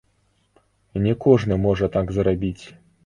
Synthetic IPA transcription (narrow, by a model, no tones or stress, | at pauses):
nʲɛkɔʐnɨmɔʐɐt̪aɡzɾabʲit͡sʲ